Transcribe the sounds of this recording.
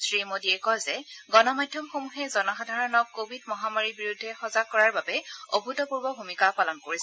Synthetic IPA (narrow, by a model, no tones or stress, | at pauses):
sɹimodiɛkɔjzɛɡɔnɔmajdʱjɔmxomuxɛzɔnɔxadʱaɹɔnɔkːobʱidmɔɦamaɹibiɹudʱːɛxɔzakːɔɹaɹbabɛobʱutɔpuɹbɔbʱumikapalɔnkoɹisɛ